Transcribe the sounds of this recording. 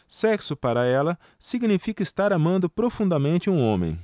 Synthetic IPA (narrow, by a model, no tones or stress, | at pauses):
sɛksʊpaɾɐɛlɐ | siɡnifikɐɪst̪aɾamɐ̃nd̪ʊpɾofũnd̪ɐmẽnt͡ʃɪũõ̰mḛ̃j̃